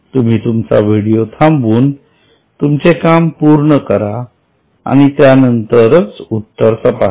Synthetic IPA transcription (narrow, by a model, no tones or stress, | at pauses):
t̪um̤iːt̪umt͡sa̰ʋiɽijot̪ʰambuːn | t̪umt͡sekampuɾɳəkəɾa | a̰ɽ̃it̪janənt̪əɾət͡sut̪ːəɾsəpa